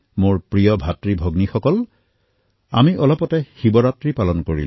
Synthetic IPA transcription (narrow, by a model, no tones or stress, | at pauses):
moɹpɹijɔbʱatɹibʱɔɡnixɔkɔl | a̰miʔɔlɔpɔtɛxibɔɹatɹipalɔnkoɹḭl